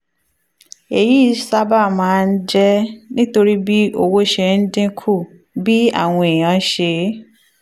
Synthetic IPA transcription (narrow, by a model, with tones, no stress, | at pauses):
e˨ji˦˨sa˦ba˦˨mãː˨˦˧n̩˦d͡ʒɛ˦nĩ˦to˧ɾi˦bi˦o˧wo˦ʃe˧n̩˦dĩ˦kʰu˦˨ | bi˦a̰˦˨w̃ɔ̃˧e˨j̃ã˨˦ʃe˧˦